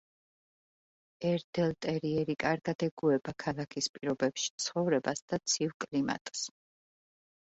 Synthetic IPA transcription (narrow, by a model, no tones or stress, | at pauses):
ɛɾd̪ɛlˠt̪ʼɛɾiɛɾikʼaɾɡad̪̥ɛɡuɛbakʰalˠakʰispʼiɾɔbɛpʃi̥t̪sʰχɔvɾɛbasd̪̥at̪sʰivkʼlima̰t̪ʼs